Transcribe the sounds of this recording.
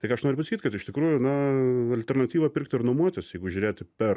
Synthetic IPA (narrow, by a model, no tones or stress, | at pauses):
t̪ɐɪkɑɐʃnoːɾʲʊpɐsɐkʲiːt̪ʲkɐt̪ɪʃt̪ʲɪkɾuːjʊnɐɐlʲt̪ʲɛɾnɐt̪ʲiːʋɐpʲɪɾk̚t̪ɪɾnʊmuɔt̪ʲɪsjɛɪɡʊʒʲʊɾʲeːt̪ʲpʲɛr